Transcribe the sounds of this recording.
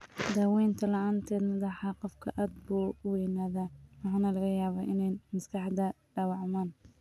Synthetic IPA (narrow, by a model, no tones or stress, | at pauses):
d̪aːwɛːjnt̪ʰɐlɐaːnt̪ʰɛːd̪mɐðɑħɑqɔfkʰɐʔaːd̪̚buːwɛjnaːðawɑħɑːnɐlɐɣɐjaːβaːʔɪnɛjmɐskʰɑħd̪ɐ | ɖɑːwɑʕmaːn